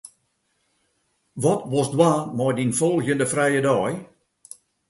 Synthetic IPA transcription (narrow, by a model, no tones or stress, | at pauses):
ʋɔtʋɔsdwaːmɔjdinfɔlˠɣjəndəfrɛjədɔːj